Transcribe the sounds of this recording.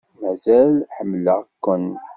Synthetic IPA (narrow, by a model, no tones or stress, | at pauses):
mæzælħəmːləʁkːʊn